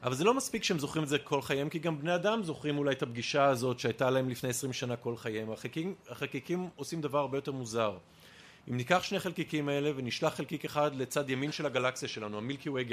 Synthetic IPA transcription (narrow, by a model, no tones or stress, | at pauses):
ʔavalze̞lo̞maspikʃehemzo̞χʁimezekʰo̞lχajemkiɡambne̞adamzo̞χʁimulajt̪abɡiʃaːzo̞tʃeajtalaemlifne̞jesʁimʃanakolχajemaχekiaχelkikimosimd̪avaʁaʁbejote̞ʁmuzaʁ | imnikaχʃne̞χelkikimae̞le̞veniʃlaχːelkikeχad̪le̞t͡sadjaminʃe̞laɡalaksijaʃelanuamilkiueɡe